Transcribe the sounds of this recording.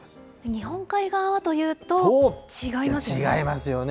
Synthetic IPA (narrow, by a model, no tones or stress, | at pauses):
ɲ̟ihõ̞ŋkaiɡaβat̪o̞jɯ̟ːt̪o̞t͡ɕiɡaimasiɡa̰imasɨjon